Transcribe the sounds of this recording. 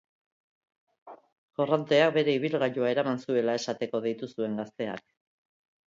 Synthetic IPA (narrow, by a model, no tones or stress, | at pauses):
ɡorant̪e̞ak̚be̞ɾe̞iβ̞ilɣaʎoae̞ɾamansue̞lae̞sat̪e̞ko̞ðijt̪usue̞ŋɡast̪e̞a̰k